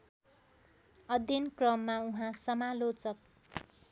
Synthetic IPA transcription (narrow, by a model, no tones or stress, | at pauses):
ʌd̪jʌnkrʌmːauɦãsʌmalot͡sʌk̚